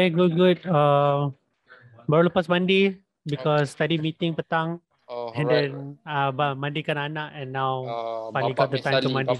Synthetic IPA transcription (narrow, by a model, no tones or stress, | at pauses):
eɡut̚ɡud̚a | baɾuləpasmãnde | bikɔst̪adimit̪ɪ̃ŋpət̪aŋ | ɛ̃ndɛ̃nabamãndikananaʔɛ̃nːawpaliɡɔt̪̚d̪ət̪ãjmt̪umãndi